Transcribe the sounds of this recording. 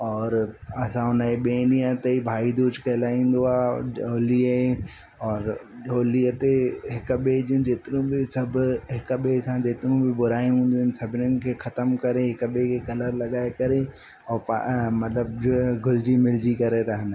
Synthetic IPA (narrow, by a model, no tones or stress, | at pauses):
ɔːɾɐsãʊnəẽɓẽːnijə̃t̪eibʱaːid̪uːʃkɐɦɪlaːĩːn̆d̪oaːoːliae | ɔːɾ | oːliət̪eɦɪkɓed͡ʑũd͡ʑeːt̪ɪɾũbɪsɐbʱɦɪkɓesãd͡ʑeːt̪ɪɾũbɪbʊɾaːĩɦũːnd̪iɦənɪ̆sɐbʱɪnənɪ̆kʰeːxɐt̪əmkɐɾeɦɪkɓekʰekɐləɾlɐɠaːekɐɾe | ɔːpa̰mɐt̪ləb̚ɡʱʊlɪd͡ʑimɪld͡ʑikɐɾeɾɐɦə̃nd̪o